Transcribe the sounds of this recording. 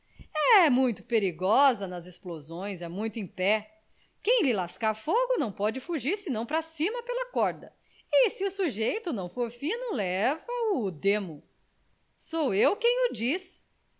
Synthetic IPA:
ɛmũj̃t̪ʊ̥peɾiɡɔzɐnɐzesplozõj̃zɛmũj̃t̪ʊẽj̃pɛ | kẽj̃lɪlaskaɾfoɡʊnɐ̃w̃pɔd͡ʒɪfuʒiɾsɪnɐ̃w̃pɾɐsĩmɐpelɐkɔɾd̪ɐ | ɪsɪʊsuʒejt̪ʊnɐ̃w̃foɾfĩnʊlɛvɐʊd̪ẽmʊ | sowewkẽj̃ʊd͡ʒis

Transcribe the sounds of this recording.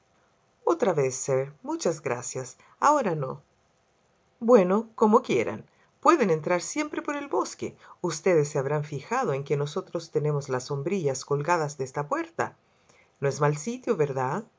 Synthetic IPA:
ot̪ɾaβesːeɾmut͡ʃazɣɾa̰sjas | aoɾano | bwe̞no̞komokje̞ɾʔa̰n | pwe̞ðene̞nt̪ɾaɾsje̞mpɾe̞po̞ɾe̞lβo̞skḛust̪eðesːeaβɾaɱfixað̞o̞eŋkeno̞so̞t̪ɾo̞st̪ene̞mozlasːo̞mbɾiʎasko̞lɣaðazðeest̪apwe̞ɾt̪a̰ | noezmalsit̪joβeɾðað

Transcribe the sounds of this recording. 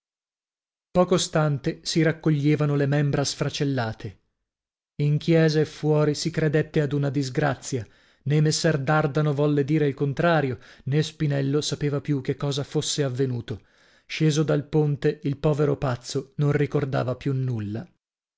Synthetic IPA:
pɔːkost̪ant̪esiɾakːoʎːeːvanolemɛmbɾasfɾat͡ʃelːaːt̪ʰe | iŋkjɛːzaefːwɔːɾisikɾed̪et̪ːead̪unad̪izɡɾat̪sːja | nemːesːɛrd̪ard̪anovɔlːed̪iːɾeilkont̪ɾaːɾjonespinɛlːosapeːvapjukːekːɔːzafosːeavːenuːt̪o | ʃeːzod̪alpont̪eilpɔːveɾopat̪sːononrikord̪a̰ːvapjunːulːa

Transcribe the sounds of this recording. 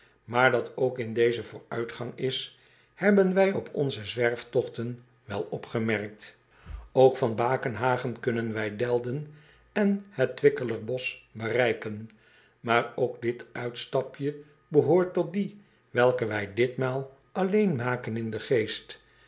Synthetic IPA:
maːɹdɑtʰowkɪndejzəvʊːɹœɥtχɑŋɪs | hɛbənʋɛjɔpʰɔ̰nzəzʋɛɹftɔχtən | ʋɛlˠɔpχəmɛrk̚t | owkfɑnbaːkənɦaːχənkɵnənʋɛjdɛlˠdən | ɛnhətːʋɪkələɹbɔsbərɛjkən | maːɹowɡdɪtœɥtstɑpjə | bəɦoːɹtɔt̚di | ʋɛlˠkəʋɛjdɪtmaːlˠ | ɑlejnmaːkənɪndəχejst

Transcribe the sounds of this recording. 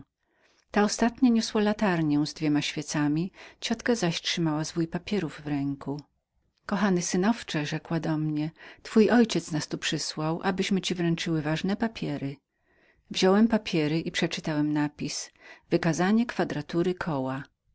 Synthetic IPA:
t̪aɔst̪at̪ɲaɲɔswalat̪aɾɲɛw̃zd̪vʲɛmaɕfʲjɛt̪samʲit͡ɕɔt̪kazaɕtʂɘmawazvujpapʲjɛɾuvːɾɛŋku | kɔxanɘsɘnɔft͡ʂɛʐɛkwad̪ɔmɲɛt̪fujʔɔjt͡ɕɛt̪snast̪upʂɘswawʔabɘɕmɘt͡ɕivɾɛnt͡ʂɘwɘvaʐnɛpapʲjɛɾɘ | vʑɔwɛmpapʲʰjɛɾɘʔipʂɛt͡ʂɘt̪awɛmnapʲisvɘkazaɲɛkfad̪ɾat̪uɾɘkʰɔwa

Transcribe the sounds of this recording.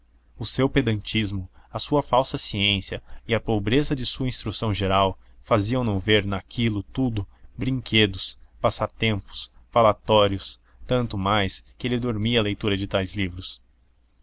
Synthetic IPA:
ʊsewped̪ɐ̃nt͡ʃizmʊɐsuɐfawsɐsiẽsiɐɪɐpobɾezɐd͡ʒɪsuɐĩst̪ɾusɐ̃w̃ʒeɾaw | faziɐ̃w̃nɐ̃veɾnakʰilʊt̪ud̪ʊbɾĩŋkʰed̪ʊspasat̪ẽmpʊ̥sfalat̪ɔɾjʊs | t̪ɐ̃nt̪ʊmajskɪelɪd̪oɾmiɐlejt̪uɾɐd͡ʒɪt̪ajzlivɾʊs

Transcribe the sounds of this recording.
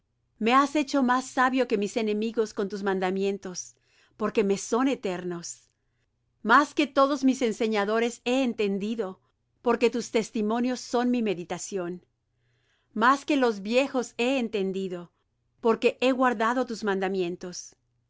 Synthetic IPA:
me̞ase̞t͡ʃo̞masːaβjo̞ke̞mise̞ne̞miɣo̞sko̞nt̪uzmãnd̪amje̞nt̪o̞s | po̞ɾke̞me̞so̞ne̞t̪e̞ɾno̞s | maske̞t̪o̞ðo̞zmise̞nse̞ɲaðo̞ɾe̞se̞ːnt̪e̞nd̪iðo̞ | po̞ɾke̞t̪ust̪e̞st̪imõ̞njo̞sːo̞nmime̞ðit̪asjo̞n | maske̞lo̞zβje̞xo̞se̞ːnt̪e̞nd̪iðo̞ | po̞ɾke̞ʔe̞ɣwaɾðað̞o̞t̪uzmãnd̪amje̞nt̪o̞s

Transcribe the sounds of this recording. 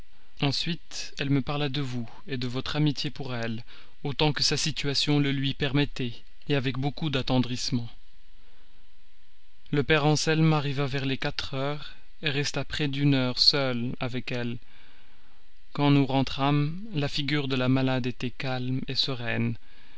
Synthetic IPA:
ɑ̃sɥit̪ | ɛlməpaʁlad̪əvu | ed̪əvɔt̪χamit̪jepuʁɛl | ot̪ɑ̃kəsasit̪ɥasjɔ̃ləlɥipɛʁmɛt̪ɛ | eavɛkbokud̪at̪ɑ̃d̪ʁismɑ̃ | ləpɛʁɑ̃sɛlmaʁivavɛʁlekat̪χœːʁ | eʁɛst̪apχɛd̪ynœʁsœlavɛkɛl | kɑ̃nuʁɑ̃t̪χam | lafiɡʲyʁd̪əlamalad̪et̪ɛkalmesəʁɛn

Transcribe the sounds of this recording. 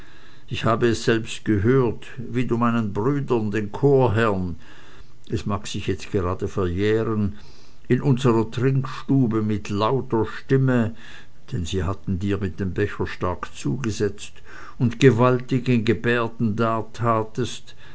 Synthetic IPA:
ʔɪçhaːbəɛsz̥ɛlpstɡ̥əɦøːɐt | viːduːmaɪnənbʁyːdɐndeːnkʰoːɐɦɛɐn | ʔɛsmaːksɪçjɛt͡stɡ̥əʁaːdəfɛɐjɛːʁən | ʔɪnʔʊnzəʁɐtʁ̥ɪŋkʃtuːbəmɪtʰlaʊtɐʃtɪmə | d̥ɛnziːɦatn̩diːɐmɪt̚d̥eːmbɛçɐʃtaɐkt͡suːɡəzɛt͡st | ʊntɡ̥əvaltɪɡənɡəbɛːɐdn̩daːtʰaːtəst

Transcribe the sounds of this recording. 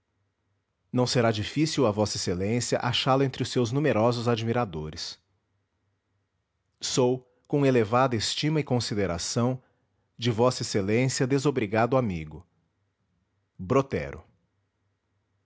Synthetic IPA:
nɐ̃w̃seɾad͡ʒifisiwɐvɔsɐeselẽsjɐʔaʃalɐẽnt̪ɾɪʊsːewznũmeɾɔzʊzad͡ʒmiɾad̪oɾɪs | sow | kõelevad̪ɐest͡ʃĩmɐɪkõsid̪eɾa̰sɐ̃w̃ | d͡ʒɪvɔsɐeselẽsiɐd̪ezobɾiɡad̪ʊamiɡʊ | bɾot̪ɛ̰ɾʊ̰

